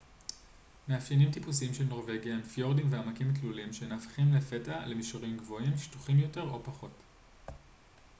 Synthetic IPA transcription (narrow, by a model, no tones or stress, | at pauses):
meafinimt̪ipusiimʃelno̞ʁve̞ɡjaemfjo̞ʁdimveamakimt̪lulimʃenaːfχimlefe̞tale̞miʃoʁimɡvo̞imʃi̥tu̥χimjo̞te̞ʁo̞paχo̞t